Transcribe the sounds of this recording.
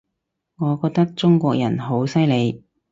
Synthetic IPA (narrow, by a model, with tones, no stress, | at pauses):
ŋɔː˨˧kɔː˧k̚t̪ɐ˥k̚t͡sʊ˥ŋkʷɔː˧k̚jɐ˨˩nɦo˨˥wsɐ˥jle˨˧j